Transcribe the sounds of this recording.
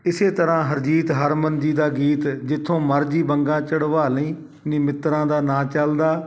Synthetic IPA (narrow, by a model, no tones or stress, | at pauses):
ɪseːt̪əɾãːɦəɾd͡ʒiːt̪ɦəɾmənd͡ʒiːd̪aːɡiːt̪d͡ʒɪt̪ʰːõːməɾd͡ʒiːbəŋɡãːt͡ʃəɽʋaːlĩː | nĩːmɪt̪ɾãːd̪aːnãːt͡ʃəld̪aː